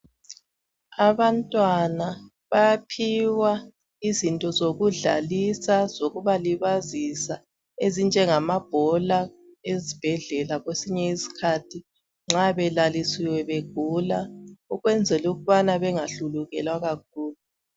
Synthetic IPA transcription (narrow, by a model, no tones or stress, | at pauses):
aβantʼwana | βajapʰiwa | izintʼɔzoɣuɮa̰lisazoɣuβaliβazisa | ezind͡ʒʱɛŋamab̥ʱɔlaezib̥ʱɛɮɛlaɣwesiɲɛisi̥kʰatʰi | ŋ͡ǁaβɛlalisiwɛβeɡ̥ʱulaɔɣwɛnd͡zʱɛluɣuβanaβɛŋaɬuluɣɛlwaɣak̚ʰuːlu